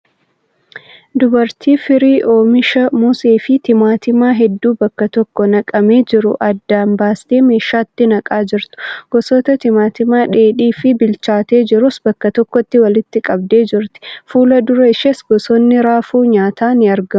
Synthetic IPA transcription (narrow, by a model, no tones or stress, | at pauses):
d̪ʊbɐɾt̪ʰiːfɪɾiːʔo̞ːmɪʃɐmʊseːfɪt̪ɪmaːt̪ɪmaːɦɛd̪ːuːbɐkːɐt̪ɔkːɔnɐkʼɐmeːd͡ʒɪɾʊʔɐd̪ːaːmbaːst̪eːme̞ːʃːaːt̪ːɪnɐkʼaːd͡ʒɪɾt̪ʊ̥ɡ̥ɔsɔt̪ɐt̪ɪmaːt̪ɪmaːᶑeːᶑiːfɪbɪlt͡ʃaːt̪e̞ːd͡ʒɪɾʊsbɐkːɐt̪ɔkːɔt̪ːɪwɐlɪt̪ːɪkʼɐb̚d̪e̞ːd͡ʒɪɾt̪ɪ̥fuːlɐd̪ʊɾɐɪʃɐsɡɔsɔnːɪɾaːfuːɲaːt̪ʰaːnɪɐɾɡɐ